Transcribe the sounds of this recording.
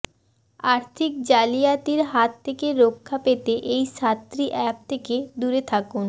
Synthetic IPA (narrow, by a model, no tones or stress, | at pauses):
aɾt̪ʰik̚d͡ʑalijat̪iɾɦat̪ʰːekeɾokʰːapet̪eʔejʃat̪ːɾiʔɛp̚t̪ʰeked̪uɾet̪ʰakun